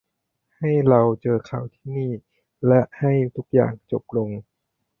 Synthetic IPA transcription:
ha˥˩jɾa˧wt͡ɕɤː˧kʰa˨˩wt̪ʰiː˥˩niː˥˩ | lɛ˦˥ʔha˥˩jt̪ʰu˦˥k̚ja̰ː˨˩ŋt͡ɕo˨˩p̚lo˧ŋ

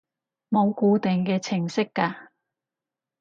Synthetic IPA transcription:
mo˨˧wkuː˧t̪ɪ˨ŋkɛː˧t͡sʰɪ˨˩ŋsɪ˥kːaː˧

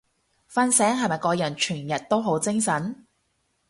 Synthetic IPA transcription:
fɐ˥nsɛː˨˥ŋɦɐ˨jmɐ˨jkɔː˧jɐ˨˩nt͡ʃʰyː˨˩njɐ˨t̚t̪o˥wɦo˨˥wt͡sɪ˥ŋsɐ˨˥n

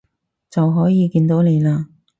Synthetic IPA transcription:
t͡sɐ˨wɦɔː˨˥jiː˨˧kiː˧nt̪o˨˥wne˨˧jlaː˧

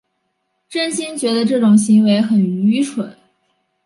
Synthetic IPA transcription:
ʈ͡ʂə˥nɕi˥nt͡ɕɥɛ˧˥d̪ə˧ʈ͡ʂɤ˥˩ʈ͡ʂʊ˨˩ŋɕi˧˥ŋwe˧˥ɪxə˨˩ny˧˥ʈ͡ʂʰwə˨˩˦n

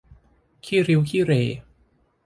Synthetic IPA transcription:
kʰiː˥˩ɾi˦˥wkʰiː˥˩ɾeː˧˩

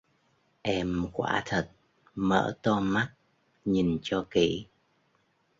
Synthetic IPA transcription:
ʔɛ˧mkwa̰ː˧˥t̪ʰə˨˩t̚ | mə̰ː˧˥t̪ɔ˧ma˦˥t̚ | ɲi˨˩nt͡ɕɔ˧kḭ˧˨

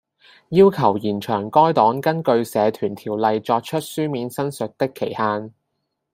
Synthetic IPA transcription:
jiː˥wkʰɐ˨˩wjiː˨˩nt͡ʃʰœː˨˩ŋkɔː˥jt̪ɔː˨˥ŋkɐ˥nkɵ˧ɥsɛː˨˧t̪ʰyː˨˩nt̪ʰiː˨˩wlɐ˨jt͡sɔː˧k̚t͡ʃʰɵ˥t̚syː˥miː˨nsɐ˥nsɵ˨t̚t̪ɪ˥kʰːe˨˩jhaː˧n

